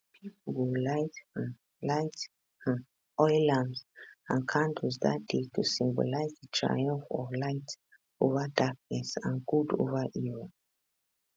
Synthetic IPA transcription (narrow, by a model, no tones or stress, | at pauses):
pʰipwulaɪt | laɪt | ɔɪlãmsãnkʰãnduzðat̚detʰusĩmbo̰laɪzdətʰɹa̰jɔ̃ɱfɔlaɪt | ʔovadak̚nɛsãnɡudo̰vaʔiɹɔ